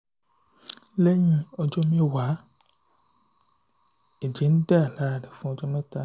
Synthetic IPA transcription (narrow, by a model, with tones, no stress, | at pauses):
le˦jĩ˧ɔ˧d͡ʒɔ˦mẽ˦˨wa˨˦ | e˨d͡ʒe˨˦n̩˦da˦˨la˦˨ɖɛ˨fũ˦ɔ˧d͡ʒɔ˦mɛ̃˦ta˧